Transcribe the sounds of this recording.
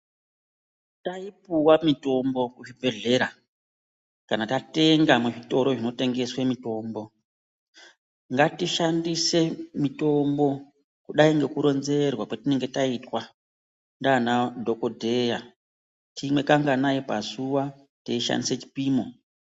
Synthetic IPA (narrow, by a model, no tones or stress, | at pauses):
taipuwamito̞mbo̞kuʐibʱe̞ɮe̞ɾa | kanatate̞ŋɡamuʐito̞ɾo̞ʐino̞te̞ŋɡe̞swemito̞ːmbo̞ | ŋɡatiʃandise̞mito̞mbo̞ | kuɗaiŋɡe̞kuɾo̞nze̞rwakwatine̞ŋɡe̞taitwa | ndaːnadʱo̞ko̞dʱe̞ja | timwe̞kaŋɡanajipazuwa | teiʃa̰ndiset͡ʃi̥piːmo